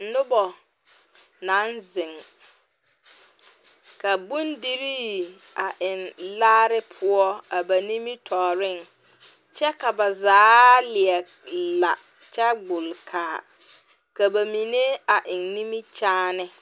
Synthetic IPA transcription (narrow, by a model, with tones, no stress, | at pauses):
nʊ˦bɔ˨ | na˨˦nzɪ˨ŋ | ka˨bu˦ndi˦ɾiː˦a˨ʔɪ˨nlaː˦ɾɪ˦pʰʊ˦ɔ˦a˨ba˨ni˦mi˦tʰɔː˨ɾɪ˦˨ŋ | t͡ʃɛ˦ka˨ba˨zaː˨˦lɪ˨ɛ˨ | la˨ | t͡ʃɛ˦ɡ͡bʊ˨lkʰaː˨ | ka˨ba˨mi˨ne˦a˨ʔɪ˨nni˦mi˦t͡ʃaː˦nɪ˦